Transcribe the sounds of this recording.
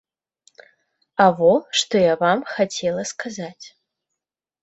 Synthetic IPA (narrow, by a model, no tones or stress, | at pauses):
avoʂt̪ojavamxatʰelˠɐskʰazatʲ